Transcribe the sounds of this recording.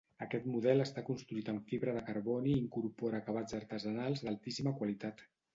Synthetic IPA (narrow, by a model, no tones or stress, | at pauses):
əkɛt̪muðɛləst̪akunst̪ɾuit̪əmfiβɾəðəkəɾβɔniːŋkuɾpɔɾaːkaβ̞ad͡zəɾt̪əzənalˠzðalˠt̪isiməkwalit̪at̪